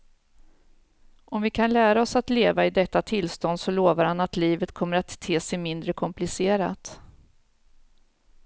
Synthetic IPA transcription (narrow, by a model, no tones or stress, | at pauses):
ʔɔmvɪkʰanlæːɾaɔsat̪leːvaɪd̪ɛt̪ːat̪ʰɪlst̪ɔnd̪sɔloːvaɾhanat̪liːvət̪kʰɔmːəɾat̪ʰːeːsɛjmɪnd̪ɾəkʰɔmplɪseːɾa̰t̪